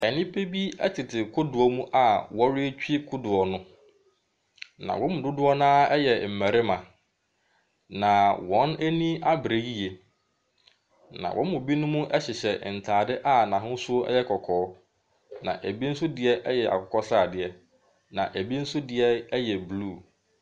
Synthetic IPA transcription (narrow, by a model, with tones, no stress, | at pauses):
ɛ˨nɪ̃˦pʰe˦bi˦ɛ̰˦tʰɪ˨tʰɪ˨kʰʊ˦dʊ˨ɔ˦mũ˦ʔa˨wɔ˦ɾɪ˦e˦t͡ɕᶣe˦kʰʊ˦dʊ˨ɔ˨nʊ̃˦ | nã̰˨wʔɔ̃˦mʊ̃˨dʊ˦dʊ˦ɔ˦nãː˦ɛ˦jɛ˨m̩˨mæ˨ɾɪ˦mã˨ | nã˨wɔ̃˨˦næ˦nĩ˦a˦bɾe˨ɡi˦je˨ | nã̰˨wʔɔ̰̃˦mʊ̃˨bi˦nʊ̃˦mũ˦ʔɛ˦ɕɪ˨ɕɛ˨n̩˨tʰaː˨dɪ˦ʔa˦nã˨ɦʊ̃˦sʊ˦ɛ̰˦jɛ˦kʰɔ˨kʰɔː˨˦ | nã̰˨ʔæ˨bi˦n̩˦sʊ˦dɪ˨ɛ˦ʔɛ˦jɛ˨ʔa̰˨kʰɔ˨kʰɔ˦sa˦˨dɪ˨ɛ˦ | nã˨ʔæ˨bi˦n̩˦sʊ˦dɪ˨ɛ˦ɛ˦jɛ˨bluː˦˨